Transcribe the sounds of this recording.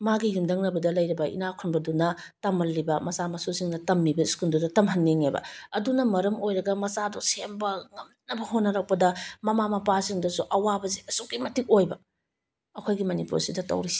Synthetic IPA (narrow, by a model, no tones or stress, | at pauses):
maɡijumdɐŋnɐbɐdɐlɐjɾɐbɐʔḭnakʰunbɐdunɐ | tɐmɐlːibɐmɐsamɐsusiŋnɐtɐmːibɐiskundudɐtɐmɦɐnːeŋebɐ̰ɐdunɐmɐɾɐmojɾɐɡɐmɐsadɔsembɐŋɐmnɐbɐɦonːɐɾak̚pɐdɐmɐmamɐpasiŋdɐsuʔɐwabɐziɐsukimɐtik̚ojbɐ | ɐkʰojɡimɐnipṵɾsidɐtɐ̰wɾisi̥